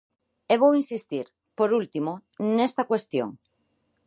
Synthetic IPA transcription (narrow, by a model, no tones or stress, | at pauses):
eβ̞owinsist̪iɾ | poɾult̪imonest̪ɐkwest̪jo̰ŋ